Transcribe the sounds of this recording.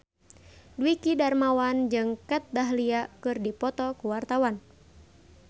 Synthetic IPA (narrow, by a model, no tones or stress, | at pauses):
dwikidarmawand͡ʒɨŋkɛt̪̚daɦliakɨrdipɔt̪ɔkuwart̪awan